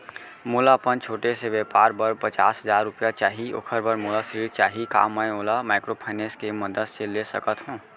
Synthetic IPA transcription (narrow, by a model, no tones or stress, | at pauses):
muːlapənt͡ʃʰoːʈeseʋepaːɾbəɾpət͡ʃa̰ːsɦəzaːɾːʊpjat͡ʃaːɦio̰ːkʰəɾbəɾmulasəɾiːɾt͡ʃaːɦika̰ːmːajoːlamaɪkɾopʰaɪneskeməd̪əd̪selesə̰kət̪ɦõː